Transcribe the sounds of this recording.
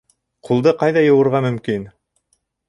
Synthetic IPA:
qʰulˠd̪ɤqɑjðɑjɤ̆wɤ̆ɾʁɑmɵ̆mkin

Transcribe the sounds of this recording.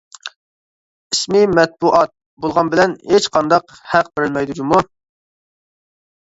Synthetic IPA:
ismɪmɛt̪̚buʔɑt̪̚ | bolˠʁɑnbɪlɛnhet͡ʃqʰɑnd̪ɑq | hæqbɪɾɪlmɛjd̪ud͡ʒumu

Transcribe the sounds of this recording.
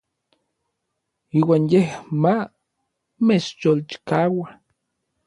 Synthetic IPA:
iːwaːnjehma | met͡ʃjolt͡ʃi̥kawa

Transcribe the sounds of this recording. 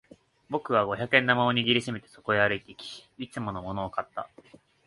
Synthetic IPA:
bo̞kɯ̟β̞aɡo̞çakɯ̟ẽ̞nːamaoɲ̟iɡʲiɾʲiɕime̞t̪e̞so̞̥ko̞eaɾɯ̟it̪e̞ikʲi̥it͡sɨmo̞no̞mo̞no̞ːkat̪ːa̰

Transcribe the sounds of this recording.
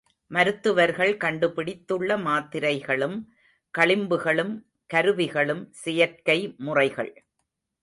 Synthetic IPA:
mɐɾɯt̪ːɯʋɐɾɣɐɭkɐɳɖɯpɪɽɪt̪ːɯɭːɐmaːt̪ːɪɾɐɪɣɐɭɯm | kɐɭɪmbɯɣɐɭɯm | kɐɾɯʋɪɣɐɭɯmsɪjɐrkɐɪmʊrɐɪɣɐ̰ɭ

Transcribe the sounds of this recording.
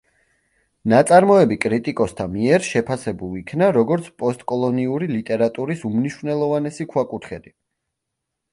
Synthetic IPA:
nat̪sʼaɾmɔɛbikʼɾit̪ʼikʼɔst̪ʰamiɛɾʃɛpʰasɛbulˠikʰnaɾɔɡɔɾt̪sʰpʼɔst̪ʼkʼɔlˠɔniuɾilit̪ʼɛɾat̪ʼuɾisumniʃvnɛlˠɔvanɛsikʰwakʼut̪ʰχɛd̪i

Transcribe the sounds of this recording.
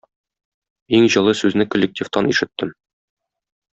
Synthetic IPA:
iŋʑɤ̆lˠɤsʉznɘkŏlʲːek̚tʲift̪ɑniʃɘ̆t̪ːɘm

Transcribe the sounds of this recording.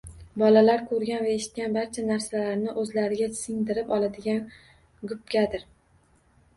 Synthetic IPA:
bɒlalaɾkʰɵɾɡʲanvaeʃɪ̥t̪̚kʲanbaɾt͡ʃʰanaɾsalaɾnɪʔɵzlaɾɪɡʲasɪŋd̪ɪɾɪpɒlˠad̪ɪɡʲan | ɡʊp̚kʲad̪ɪɾ

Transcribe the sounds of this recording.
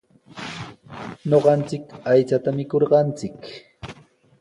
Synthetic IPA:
ɲoɢɑnt͡sɪkajt͡sat̪amɪkoɾɢɑnt͡sɪk

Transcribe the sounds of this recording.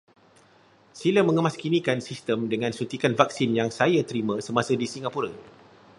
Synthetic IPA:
silamə̃ŋə̃maskinikansist̪əmdəŋãnsunt̪ikanvaksinjaŋsajat̪əɾimãsəmasadisiŋapuɾa

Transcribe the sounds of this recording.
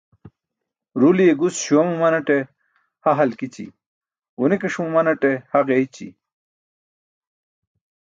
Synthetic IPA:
ɾulijeɡusɕuɐmumɐnɐʈe | hɐɦɐlkit͡ɕḭ | unekɐʂmumɐnɐʈehɐʁeit͡ɕḭ

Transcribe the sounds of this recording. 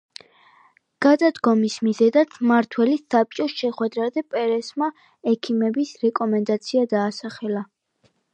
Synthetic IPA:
ɡ̥ad̪ad̪ɡɔmismizɛd̪at̪sʰmaɾt̪ʰwɛlisap̚t͡ʃʼɔsʃɛχwɛd̪ɾazɛpʼɛɾɛsma | ɛkʰimɛbisɾɛkʼɔmɛnd̪at̪sʰiad̪aːsaχɛla

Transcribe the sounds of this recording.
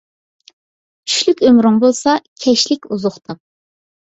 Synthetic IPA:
t͡ʃʰy̥ʃlykʲømɾʊŋbolˠsɑkʲʰɛʃlɪkʲuzʊχt̪ʰɑq̚

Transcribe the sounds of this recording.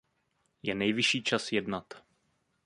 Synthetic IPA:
jɛnɛjvɪʃiːt͡ʃasjɛdnat̪

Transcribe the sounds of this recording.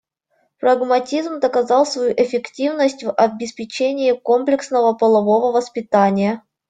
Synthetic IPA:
pɾəɡmɐtʲizmd̪əkɐzɑlˠsvɐjuʔɪfʲɪktʲivnəsʲtʲvɐbʲɪspʲɪt͡ɕenʲɪːkomplʲɪksnəvəpəlˠɐvovəvəspʲɪt̪anʲɪjə

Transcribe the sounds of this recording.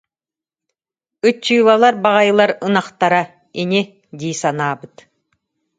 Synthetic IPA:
ɯt͡ɕːujlalˠaɾbaʁajɯlˠaɾɯnaqt̪aɾa | ini | d̪iːsanaːbɯt̪

